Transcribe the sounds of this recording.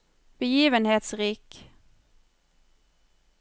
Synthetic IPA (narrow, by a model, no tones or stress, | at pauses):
b̥əjiːvənheːt̪sʁiːk